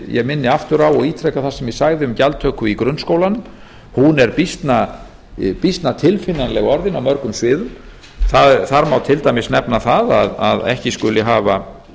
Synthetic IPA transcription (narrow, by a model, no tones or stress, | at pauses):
jɛ̰ɣmɪnːɪaft̪ʏɾawɔɣiːt̪ʰɾɛkaθaɾ̥sɛmjɛsaɣðɪʏmcalt̪ʰœkʏikɾʏnːskowlanʏm | hunɛɾpist̪na | pist̪nat̪ʰɪlfɪnːanlɛɣɔɾðɪnawmœɾkʏmsvɪːðʏm | θaðθaɾmawt̪ʰɪlt̪ajmɪsnɛpnaθaða̰ðaðɛ̰hcɪskʏlɪɦaːva